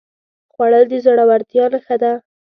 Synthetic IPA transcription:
xwaɽəld̪əzoɽawaɾt̪jɑlxəd̪a

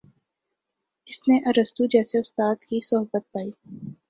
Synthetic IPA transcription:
ɪsneʔɐɾəst̪ud͡ʒɛːseʊst̪aːd̪kisʊɦbət̪̚paːiː

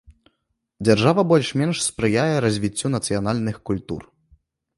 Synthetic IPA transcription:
d͡zʲarʐavɐbɔlʲʂmʲɛnʂspɾɨjajɛɾɐzʲvʲit͡sʲːunɐt̪sɨjanalʲnɨxkulʲt̪ṵr

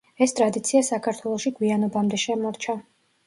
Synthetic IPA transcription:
ɛst̪ʼɾad̪it̪sʰiasakʰaɾt̪ʰwɛlˠɔʃiɡwianɔbamd̪ɛʃɛmɔɾt͡ʃʰa

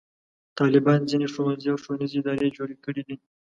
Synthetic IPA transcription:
t̪ɑlɪbɑnzineʂowanziawʂowanizeɪd̪ɑɾed͡ʒoɽekəɽid̪i

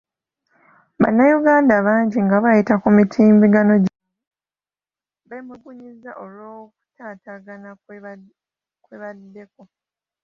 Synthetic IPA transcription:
βa̰nːajuɡaːndaβaːɲɟiŋɡaβajitakumitʰiːmbiɡano̞ɟe | βemuɡuɲizaʔolwo̞ːwku̥tʰaːtaɡana | kweβadːe̞ko

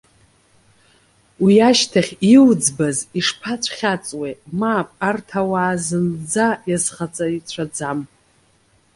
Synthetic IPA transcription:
wiaʃtʰaχʲiwd͡zbaziʂpʰat͡sʷʰʼχʲat͡sʼwemaːpʼartʰawaːzɨnd͡zajazχat͡sʼait͡ɕʷʰad͡zam

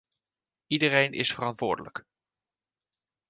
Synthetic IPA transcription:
idərejnʔɪ̰sfərɑntʋʊːɹdələ̰k

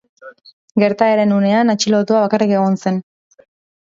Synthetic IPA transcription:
ɡe̞ɾt̪aeɾe̞nune̞anat͡ʃilo̞t̪uaβ̞akarike̞ɣ̞o̞nse̞n

